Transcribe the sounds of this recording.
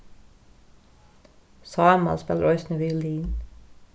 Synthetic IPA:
sɑːmɑ̰lspɛlʔɔʏsnəʋiːliːn

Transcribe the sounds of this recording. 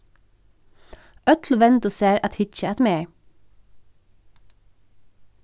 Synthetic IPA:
œt̪ʰlʋɛntd̪ʊseːɾɑt̪hɪt͡ʃəɑt̪meː

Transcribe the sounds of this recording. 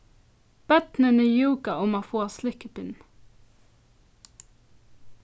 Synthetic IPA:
b̥œt̪nənɛjuːɡaʔʊmafoːslɪkəpɪn

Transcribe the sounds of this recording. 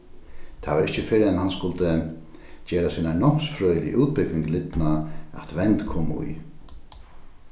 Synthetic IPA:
t̪ʰaʋaɾɪht͡ʃəfɪɾɪɛnhanskʊlt̪ə | t͡ɕeːɾasiːnanɔm̥sfɾœːʏlḭʔuːt̪̚pɪkʋɪŋklɪt̪naa̰t̪ʋɛnt̪kʰoːmṵj

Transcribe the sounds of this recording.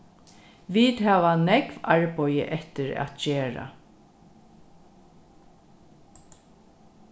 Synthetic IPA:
ʋiːt̪hæːʋanɛkvaɹpɔjə̰ʔɛht̪ɪɾæ̰t̪t͡ʃeːɹa̰

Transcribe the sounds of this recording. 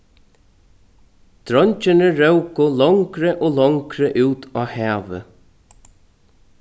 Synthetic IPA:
t̪ɾɔɲt͡ʃɪnəɾœwkʊlɔŋkɾɪʔɔːlɔŋkɾɪʔʉːt̪ʰaːhɛːvə̰

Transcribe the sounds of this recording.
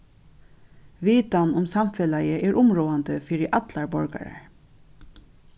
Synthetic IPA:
ʋiːt̪anʊmsamfɛlajəʔɛːɹʔʊmɹoːand̪əfiːɹɪʔat̪laɹbɔɹka̰ɹa̰ɹ

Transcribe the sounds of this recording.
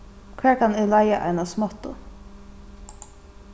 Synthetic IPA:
kʰvæːɹkʰanɪlajaʔa̰ɪnasmɔt̪ːʊ̰

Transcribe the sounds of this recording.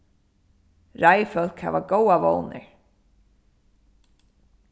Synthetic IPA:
ɹajfœl̥khɛ̰vaɡowavo̰wnɪ̰ɹ

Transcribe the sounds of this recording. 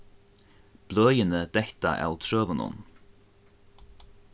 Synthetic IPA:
b̥løːjɪnəd̪ɛht̪a̰ʔa̰wt̪ʰɾøːvʊnʊ̰n

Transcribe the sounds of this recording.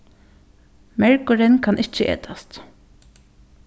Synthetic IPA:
mɛɹkʊɹɪnkʰɑnʔɪt͡ʃːəʔḛːt̪ʰast̪

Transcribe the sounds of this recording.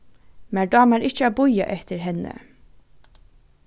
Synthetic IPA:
mæɖɑːmæɾɪçt͡ʃəæːbʊja̰ʔɛht̪əɾɦɛnːə̰

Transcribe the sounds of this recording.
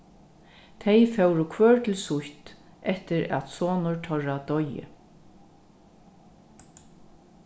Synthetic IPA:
t̪ʰejfɛwɾʊkʰʋœːɹt̪ʰɪlsʊht̪ | ʔɛht̪ɪɾæ̰t̪soːnʊɹt̪ʰœɹad̪ɔjɪ̰

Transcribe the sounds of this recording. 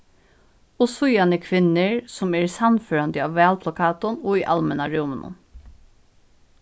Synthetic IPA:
ɔsʊjɑnəkʰʋɪnəɹsɔmæːɹsɑnføːɾɑnd̪əɑːʋʋæːlpʰlakʰɑːt̪ʊnoːiːʔɑlmɛnɑɾuːmənʊ̰n

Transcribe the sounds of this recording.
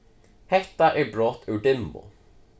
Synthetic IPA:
hɛt̪ːaʔɛbɾɔt̪ʰːʉːɖɪmːʊ̰

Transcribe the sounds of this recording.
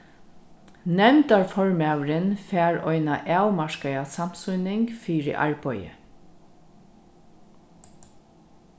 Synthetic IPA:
nɛmt̪aɹfɔɹmæːwɾənfæːɹɔʏnaʔaːwmaʃkaasam̥sʊnɪŋɡfiːɹɪ̰ʔa̰ɹbɔjə̰

